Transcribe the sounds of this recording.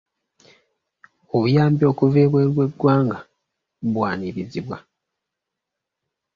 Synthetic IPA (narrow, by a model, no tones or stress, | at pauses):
oβujaːmbjo̞ːkuveːβweɾweɡwaːŋɡa | βwaːniβiziβwa